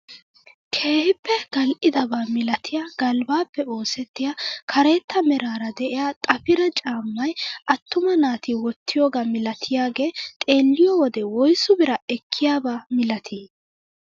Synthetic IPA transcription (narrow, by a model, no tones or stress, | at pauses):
kʰe̞ːhɪpːɛɡ̥ɐlʔɪd̪ɐbaːmɪlɐt̪ʰɪjaːɡɐlbaːpːɛo̞ːsɛt̪ːɪjakʰɐɾe̞ːt̪ːɐmɛɾaːɾɐd̪ɛʔɪjaːt̪ʼɐpɪɾɐt͡ʃʼaːmːɐjɐt̪ːʊmɐnaːt̪iwɔt̪ʰːɪjoːɡamɪlɐt̪ʰɪjaːɡe̞ːt̪ʼe̞ːlːɪjɔwɔd̪ɛwɔjsʊbɪɾɐɛkʰːɪjaːbaːmɪlɐt̪ʰiː